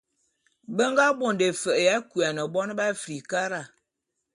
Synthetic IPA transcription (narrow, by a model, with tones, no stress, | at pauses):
bə˦ŋɡa˦bo˨nde˨fə˨ja˦ku˨a˨nə˨bɔ˦n˦ba˦fɾi˨ka˦ɾa˦˨